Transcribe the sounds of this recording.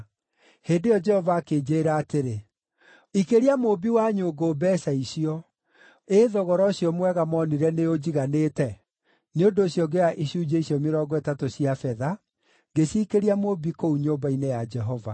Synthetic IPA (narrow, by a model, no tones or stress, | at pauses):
heːndejɔd͡ʒɛhɔvaːkeːd͡ʑeːɾaːteɾe | ikeɾiamobiwaɲoːɡoːbɛːsaisiɔ | eðɔɣɔɾɔɕijɔmwɛɣamɔːniɾɛneod͡ʑiɣaneːtɛ | neondoːɕjɔɡejaʔiɕuːd͡ʑeisjɔmeɾɔːɡɔetatosiafɛða | ɡeɕiːkeɾiamobikouɲoːbainejad͡ʒɛɦɔva̰